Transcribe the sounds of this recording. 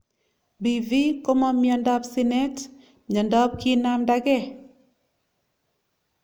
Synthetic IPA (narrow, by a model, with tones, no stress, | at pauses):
bi˨vi˦ko˦mɔ˦mjɔ˨ndɔ˦psi˦nɛ˦t | ɲɔ˨ndɔ˦p̚ki˦na˦mda˦ɡɛ˦